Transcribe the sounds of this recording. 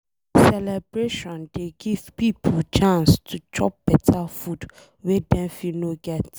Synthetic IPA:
sɛlɛbɹeʃɔ̃ndeɡivpipʰəlt͡ʃʰãnstʰut͡ʃʰɔp̚b̥ɛtʰafud | wɛdɛ̃nfinoɡɛt

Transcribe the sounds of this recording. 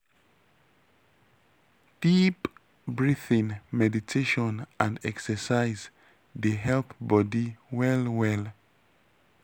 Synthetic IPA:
d̥ip | bɹiθĩnmɛditʰeʃɔ̃nʔãndɛksəsaɪz | ðeɦɛlpbɔdiwɛlwɛl

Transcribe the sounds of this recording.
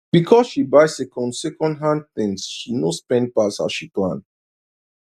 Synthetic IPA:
b̥ikʰɔsʃibaɪsɛkɔ̃ndsɛkɔ̃ndɦãn̚θĩŋsʃinospɛ̃nd̚pasa̰ʃiplã̰n

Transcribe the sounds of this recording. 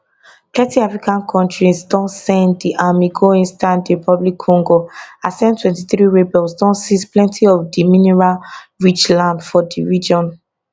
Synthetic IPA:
tɛtiafɹikãnkʰɔ̃ntɹisdɔ̃nsɛ̃ndiʔamiɡoĩnstãndɹipʰɔblikʰːɔ̃ŋɡoasɛ̃ntʰwɛ̃ntiθɹiɹebɛlsdɔ̃nsisplɛ̃ntʰiɔvdiminɛɹalɹit͡ʃlãndfɔdiɹid͡ʒɔ̃n

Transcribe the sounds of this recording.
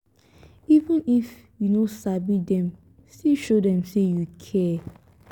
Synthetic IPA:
ivə̃nif | junosabidɛ̃m | stiʃodɛ̃msejukʰɛ

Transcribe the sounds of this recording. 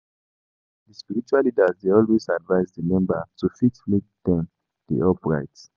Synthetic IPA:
dispiɹit͡ʃualːidazdeɔlwezadvaɪzdəmɛ̃mbətufitflit̚d̥ɛ̃m | dḭʔɔpɹa̰ɪts

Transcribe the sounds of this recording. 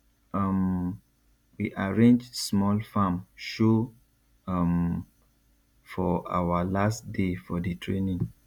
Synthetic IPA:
ʌm | wiʔaɹẽnd͡ʒsmɔlfãmʃo | m | fɔʔa̰walastdefɔdətʰɹenĩŋ

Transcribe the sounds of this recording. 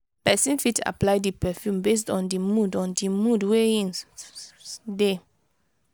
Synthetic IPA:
pɛsĩnfita̰plaɪdipɛfjũmbes̬tɔ̃ndimudɔ̃ndimudweĩn | de

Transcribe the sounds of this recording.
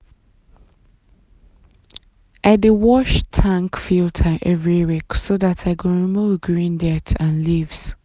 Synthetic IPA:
ʔaɪdɪwɔʃtʰãŋkfiltʰəʔɛvɹiwiksoðatʰaɪkʰə̃ɹimuvɡɹĩndɛtʰãnlivz̥

